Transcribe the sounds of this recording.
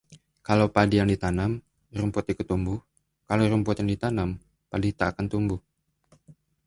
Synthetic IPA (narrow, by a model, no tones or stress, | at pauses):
kalawpadijaŋdit̪anam | rumpʊt̪̚dikʊt̪ːumbuh | kaloɾumpʊt̪jaŋdit̪anam | padit̪aːkant̪umbʊh